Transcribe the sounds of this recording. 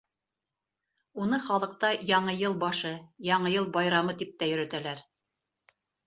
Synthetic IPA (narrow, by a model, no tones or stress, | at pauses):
unɤχɑlˠɤ̆q̚t̪ɑjɑɴɤjɤlˠbɑʃɤjɑɴɤjɤlˠbɑjɾɑmɤt̪ip̚t̪æjɵ̆ɾæt̪ælæɾ